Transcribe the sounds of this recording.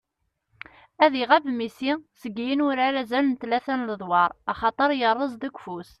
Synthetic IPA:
æðiʁæbmisisəɡijənʊɾaɾæzælənt̪læθænləðˤwɑɾˤɑχɑt̪ˤəɾˤjərˤːəzˤd̪əkʷːfus

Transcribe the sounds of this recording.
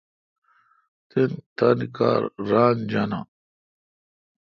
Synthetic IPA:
t̪ent̪ɐnika̰ːɾɾaːnd͡ʑana̰

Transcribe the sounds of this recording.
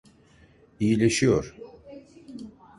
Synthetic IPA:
ijilʲeʃijoɾ̥

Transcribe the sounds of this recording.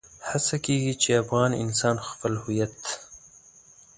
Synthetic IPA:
hasakeɡit͡ʃeafɣɑnɪ̰nsɑːnxfalhujat̪

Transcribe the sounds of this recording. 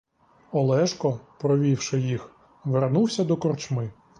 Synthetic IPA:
ɔlˠɛʃkɔpɾɔʋʲiwʃɪjix | ʋernuwsʲɐd̪ɔkɔrt͡ʃmɪ

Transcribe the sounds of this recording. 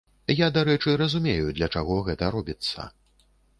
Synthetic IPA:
jad̪aɾɛt͡ʂɨɾɐzumʲejud̪lʲɐt͡ʂaɣɔɣɛt̪ɐɾɔbʲit̪sːɐ̰

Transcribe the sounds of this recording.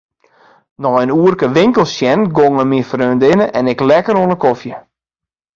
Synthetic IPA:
nɔjənuərkəʋɪŋkəlˠsjɛnɡoŋəmifrøːndɪnəʔɛnɪklɛkəɾoənəkofjə

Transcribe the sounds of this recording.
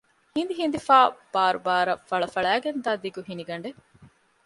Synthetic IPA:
hind̪iɦind̪ifaːb̥aːɾubaːɾɐfɐɭɐfɐɭæːɡend̪aːd̪iɡuɦiniɡɐɳɖe

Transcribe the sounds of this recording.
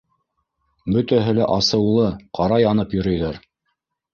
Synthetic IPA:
bɵ̆t̪æɦɘlæʔɑsɤ̆wlˠɤqʰɑɾɑjɑnɤpjɵ̆ɾɵ̆jðæɾ

